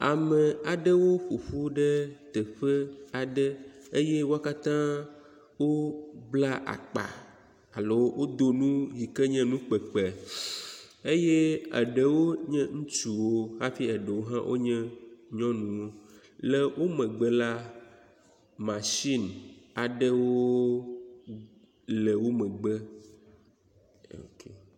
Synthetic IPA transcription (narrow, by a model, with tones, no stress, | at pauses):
a˨mɛ̃˨a˨ɖə˦wo˦ɸu˨ɸu˦ɖɛ˦t̪ɛ˨ɸə˦a˨ɖɛ˦e˦jɛ˦wo˦a˦ka˦t̪ã˦ | wo˦bla˦ʔa̰˨k͡pa̰˨ | a˨lo˦wwo˦d̪o˦nũ˦ɣi˨kɛ˦ɲɛ̃˦nũ˦k͡pɛ˨k͡pɛ˨ | e˦jɛ˦a̰˨ɖɛ˨wo˦ɲɛ̃˦ŋũ˦t͡ʃu˨wo˦ɦa˦fi˦ə˨ɖə˨wo˦ɦã˦wʔo̰˦ɲɛ̃˦ɲɔ̃˦nũ˨wo˦ | lɛ˨wʔo˦mɛ̃˨ɡ͡bɛ˦la˦ | mã˨ʃi˦na˨ɖɛ˦wo˦ | lɛ˨wo˦mɛ̃˨ɡ͡bɛ˦ | o̰˨ke˨